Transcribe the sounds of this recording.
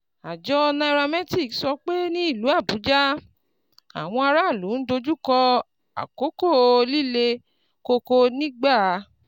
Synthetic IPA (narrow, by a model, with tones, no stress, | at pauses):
a˨d͡ʒɔ˦˧nã˧i˧ɾa˧mɛ̃˦ti˦˨ksɔ˧k͡pe˦nĩ˦i˦˨lu˨˦a˦˨bu˨˦d͡ʒa˦ | a̰˨w̃ɔ̃˧a˧ɾa˦˨lu˨˦n̩˦do˧d͡ʒu˦kɔ˧ | a̰˨ko˨˦ko˦˨˧li˦le˧ | ko˧ko˧nĩ˦ɡ͡ba˦˨˧